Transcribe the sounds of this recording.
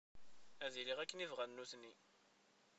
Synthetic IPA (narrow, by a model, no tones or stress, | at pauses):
æðiliʁækːənivʁænːuθni